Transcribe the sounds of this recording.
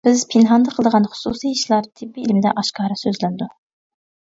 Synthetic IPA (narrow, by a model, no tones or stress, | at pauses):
b̥ɪz̥pʰɪnɦɑnd̪ɑqʰəlˠd̪əʁɑnχʊ̥susijiʃlˠɑɾt̪ʰɪbːiilmɪd̪ɛ̰ʔɑʃkɑːɾɑsøzlænd̪u